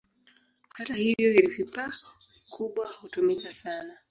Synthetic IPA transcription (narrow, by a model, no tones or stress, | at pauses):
hatahivjɔiɾifipa | kʰuɓwahutumikasana